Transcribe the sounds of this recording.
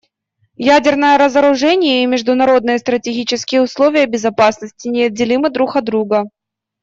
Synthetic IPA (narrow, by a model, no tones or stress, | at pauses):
jædʲɪrnəjəɾəzəɾʊʐɛnʲɪjəimʲɪʐd̪ʊnɐɾo̞d̪nɨjəst̪ɾətʲɪɡʲit͡ɕɪskʲɪjəʊslˠovʲɪjəbʲɪzɐpasnəsʲtʲɪnʲɪɐd̪̚ʲdʲɪlʲimɨd̪ɾuxɐd̪ɾuɡə